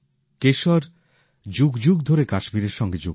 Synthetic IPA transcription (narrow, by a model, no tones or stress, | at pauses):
keʃɔɾ | d͡ʑuɡd͡ʑuɡd̪ʱoɾekaʃmiɾeɾʃɔŋɡed͡ʑo